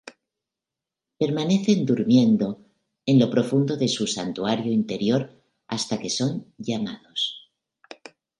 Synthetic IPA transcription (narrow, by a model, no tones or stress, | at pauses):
pe̞ɾmane̞θe̞nd̪uɾmje̞nd̪o̞ | e̞nlo̞pɾo̞fund̪o̞ðe̞susant̪uaɾjoint̪e̞ɾjo̞ɾ | a̰st̪ake̞so̞nɟ͡ʝamaðo̞s